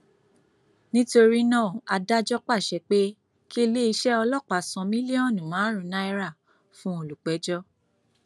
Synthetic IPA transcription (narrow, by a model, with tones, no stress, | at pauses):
nĩ˦to˧ɾi˦nãː˦˨a˧da˦d͡ʒɔ˦k͡pa˦˨ʃɛ˨˦k͡pe˦ | ki˦˧le˦i˧ʃɛ˦ɔ˧lɔ˦˨k͡pa˨sɔ̃˧mĩ˦li˦ɔ̃˦˨nũ˨mãː˨˦ɾ̃ũ˨˦na˦i˧ɾa˦˨ | fũ˦o˨lu˨k͡pɛ˨˦d͡ʒɔ˦